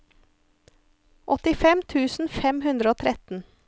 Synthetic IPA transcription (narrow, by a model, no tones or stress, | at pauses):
ʔɔt̪ɪfɛmt̪ʰʉːsn̩fɛmhʉnd̪ɾəoːt̪ʰɾɛt̪n̩